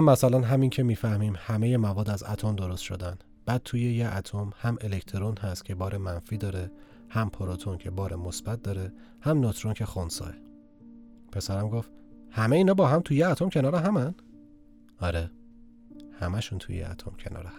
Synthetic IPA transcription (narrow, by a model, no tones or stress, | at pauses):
mːæsælænɦæmincʰe̞miːfæhmiːmhæme̞jemævɒːd̪æzæ̰t̪ʰomd̪oɾost̪ʃo̞̰d̪æn | b̥æːd̪̚t̪ʰuːjejeʔæt̪ʰomhæmele̞ct̪ʰoɾonhæst̪̚cʰe̞bɒːɾʔemænfiːd̪ɒːɾe | hæmpʰoɾot̪ʰoncʰebɒːɾemosb̥æt̪̚ʰd̪ɒːɾe | hæmnot̪ʰɾoncʰe̞xonsɒ̰ːe | pʰe̞sæɾæmɡof | hæmeiːnɒːbɒːɦæmt̪ʰujeæt̪ʰomcʰe̞nɒːɾeɦæmæn | ɒɾe | hæmæʃuːnt̪ʰṵjḛæ̰t̪ʰo̰mcʰenɒ̰ːɾeh